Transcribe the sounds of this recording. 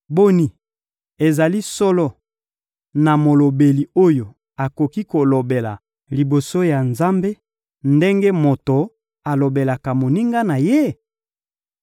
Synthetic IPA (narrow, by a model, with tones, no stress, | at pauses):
bo˦ni˨ | e˨za˨li˦sɔ˦lɔ˦ | na˨mo˨lo˨be˨li˨o˦jo˨ | a˨ko˨ki˦ko˨lo˨be˨la˨ | li˨bo˨so˦ja˨nza˦mbe˦ | nde˦ŋɡe˦mo˨to˨ | a˨lo˨be˨la˨ka˨mo˨ni˦ŋɡa˦na˨je˦